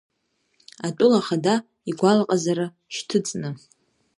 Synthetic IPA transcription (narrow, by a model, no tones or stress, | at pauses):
atʼʊlaχada | iɡʷalqʼazaɾa | ʃtʰɨt͡sʼnɨ